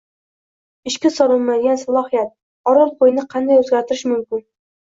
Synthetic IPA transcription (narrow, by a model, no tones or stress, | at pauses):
ɪʃkʲɪsɒɾˠʊmmajd̪ʲɪɡʲansalˠɒhijat̪̚ | ɒɾɒlˠqʰojɪnɪqʰɑnd̪ajɵzɡʲaɾt̪ʰɪɾɪʃmʊmkʲɪn